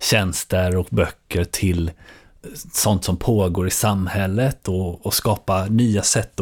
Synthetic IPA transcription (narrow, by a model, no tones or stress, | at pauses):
ɕɛnst̪əɾɔkbœkːəɾʈʰɪl | sɔnt̪sɔmpʰoːɡoːɾɪsamːhɛlːət̪ʰɔːskɑːpanyːasɛt̪ː